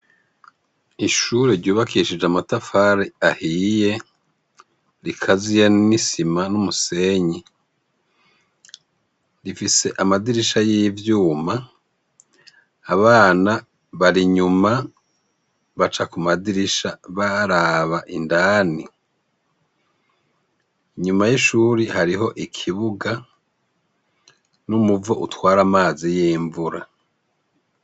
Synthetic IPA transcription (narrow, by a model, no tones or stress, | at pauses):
iʃuːɾeɾɟuːβakiʃid͡ʒamatafaɾeahije̞ | ɾikʰazijanisimanumuse̞ɲe | ɾifise̞ʔamadiɾiʃajijivjuːma | βaːna | βaɾiɲuma | βat͡ʃakumadiɾiʃaβaɾaβaʔindaːni | iɲumajiʃuːɾihaɾiɦo̞ʔikʰiβuɡa | numuvoʔutwaːɾamaːzijiːɱvuɾa